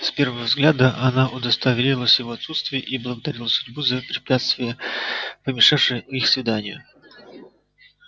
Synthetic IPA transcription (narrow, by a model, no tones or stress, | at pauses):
spʲe̞rvəvəvzɡlʲad̪əʔɐnaʔʊd̪əst̪ɐvʲɪlʲilˠəsʲjɪvoɐt̪sut̪st̪vʲɪjəʔiblˠəɡəd̪ɐɾʲilˠəsʊdʲbuzəpɾʲɪpʲat̪st̪vʲɪjəpəmʲɪʂafʂɨjixsvʲɪd̪anʲɪjʊ̰